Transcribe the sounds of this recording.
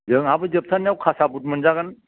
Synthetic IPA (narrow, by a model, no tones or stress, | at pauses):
zɯŋhabɯd͡ʒəp̚sʰanːiawkʰasabut̚mɯnzaɡan